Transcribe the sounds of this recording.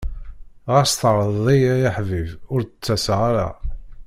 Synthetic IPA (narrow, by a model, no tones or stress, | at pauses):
ʁəɾst̪əɾˤəðˤðˤijæjaħvivʊɾt͡sːæsʁaɾa̰